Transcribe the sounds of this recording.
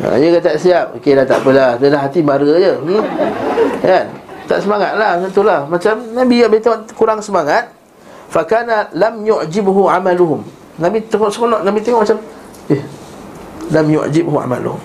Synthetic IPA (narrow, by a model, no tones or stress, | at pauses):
a̰jəkat̪aʔsiap̚okelat̪a̰ʔpəladəlaɦat̪ibaɾəd͡ʒəni | kant̪a̰ʔsəmaŋat̪̚laht̪ənt̪ulahmat͡ʃamnãbiɡaʔbət̪eŋɔʔkuɾaŋsəmaŋat̪̚ | fakanalamjuʔd͡ʒɪbɦuʕamaluɦʊm | nãbit̪əŋɔʔsəkonɔʔnabit̪eŋɔʔmat͡ʃam | eh | lamjṵʔd͡ʒɪbhua̰ma̰lṵhʊ̰m